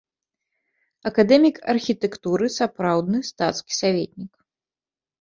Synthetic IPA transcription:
ɐkad̪ɛmʲikɐ̰rxʲit̪ɛkt̪uɾɨsapɾawd̪nɨst̪at̪skʲi̥savʲet̪ʲnʲik

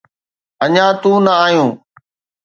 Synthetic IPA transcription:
əɲãːt̪ũːnəaːɦjũː

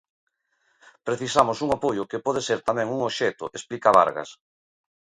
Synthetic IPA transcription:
pɾeθisamosuŋapojʊkepɔð̞eseɾt̪amɛ̃ŋuŋoʃet̪ʊ̰ʔesplikaβa̰ɾɣa̰s

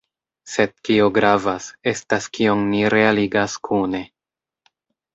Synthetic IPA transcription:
se̞d̚kioɡɾavase̞staskio̞ŋniɾe̞aliɡaskʰune̞

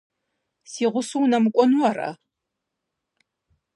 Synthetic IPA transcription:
siːʁʷʊsuwnɐmɨkʷʼɔnwɐrɐ̰

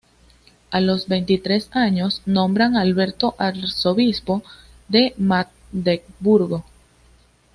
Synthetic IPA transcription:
alo̞zbe̞jnt̪it̪ɾe̞saɲo̞snõ̞mbɾaŋalβe̞ɾt̪oʔaɾso̞βispo̞ | ðe̞ma | d̪ek̚buɾɣo̞

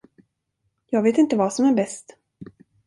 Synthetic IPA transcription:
jɑːɡveːt̪ɪnt̪əvɑːsɔmæɾbɛst̪

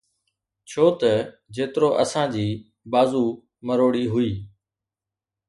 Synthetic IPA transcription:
t͡ɕʰoːt̪ə | d͡ʑeːt̪ɪɾoːʔəsãːd͡ʑiː | baːzuː | məɾoːɽiːɦʊiː

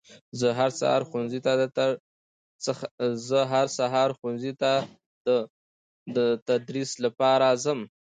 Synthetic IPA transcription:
zəɦaɾsa̰hɑ̰ɾxunzit̪ad̪ət̪a | t͡səxzəɦaɾsaɦɑɾxunzit̪a | d̪ə | d̪ət̪ad̪ɾislapɑɾazəm

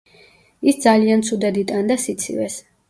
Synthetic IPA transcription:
isd̪zaliant̪sʰud̪ɛd̪it̪ʼand̪asit̪sʰḭvɛs

